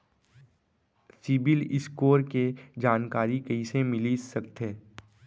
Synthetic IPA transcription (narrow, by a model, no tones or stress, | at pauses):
sɪbɪlɪ̰skoːɾked͡ʒaːnkaːɾikɐisemɪlisɐkt̪ɦeː